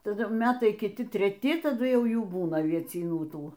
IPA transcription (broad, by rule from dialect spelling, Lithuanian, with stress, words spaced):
tɐˈdʊ ˈmʲæːtɐɪ kʲɪˈtʲɪ tʲrʲɛˈtʲɪ tɐˈdʊ ˈjɛʊ ˈjuː ˈbuːnɐ ɐʋʲiɛt͡sʲiːˈnuː ˈtuː